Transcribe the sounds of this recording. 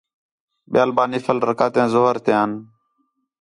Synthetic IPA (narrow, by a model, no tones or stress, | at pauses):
ɓjaːlbaːniːfəlɾəkaːt̪ẽːzoːɦəɾt̪ẽːaːn